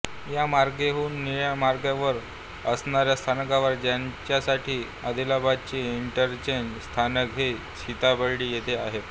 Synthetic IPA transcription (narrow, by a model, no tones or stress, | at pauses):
jamaɾɡeɦuːnːiɭjamaɾɡjaʋəɾ | əsnaɾjast̪ʰankaʋəɾd͡ʑjaɲt͡ɕjasaʈiː | əd̪ʱilabad̪̚t͡ɕiːiɳʈəɾt͡ɕeɲd͡ʑst̪ʰanəkɦe | t͡ɕʰit̪abəɽɽiːjet̪ʰeaɦe